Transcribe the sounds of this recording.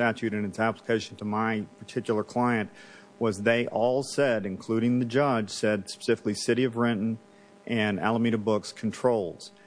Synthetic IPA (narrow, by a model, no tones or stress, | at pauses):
tæt͡ʃʉɾɨ̃nɨtsæpləkʰeɪʃn̩tʰəmaɪpʰə˞tʰɪkjl̩ˠə˞kʰl̥aɪɨ̃nʔ | wʌzðeɪʔɔlˠsɛɾɨ̃nkʰl̥ʉɾɪ̃ŋðɨd͡ʒʌd̥ʒ̥sɛdspə̥sɪfɪ̥klisɪɾiʌvɹɪ̃ʔn̩ | ʔɨ̃næ̰lˠəmiɾɨbʊkskʰn̩tʰɹ̥oʊlˠz̥